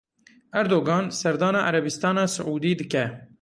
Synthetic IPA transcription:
ʔɛɾd̪oːɡɑːnsɛɾd̪ɑːnɑːʔaɾɛbist̪ɑːnɑːsɨʕuːd̪iːd̪ɨkɛ

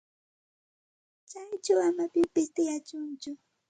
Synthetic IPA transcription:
t͡ʃajt͡ʃawamapɪpɪst̪ɪjat͡ʃʊnt͡ʃʊ

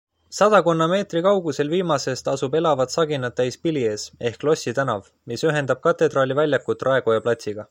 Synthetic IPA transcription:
sɑd̪̥ɑko̞nːɑme̞ːt̪rikɑwɡ̥use̞lviːmɑse̞st̪ɑsube̞lɑvɑt̪sɑɡ̥inːɑt̪ːæjspilie̞ːse̞hklo̞sʲit̪ænɑv | misyɦe̞nd̪ɑb̥̚kɑt̪ːˑe̞d̪rɑːlʲivælʲjɑkːut̪ːˑrʔɑe̞ɡ̥ojɑplɑt̪ʲsiɡ̥ɑ

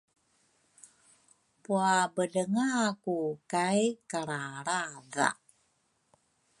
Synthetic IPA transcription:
puabəɮəŋakukajkaɾaɾaða̰

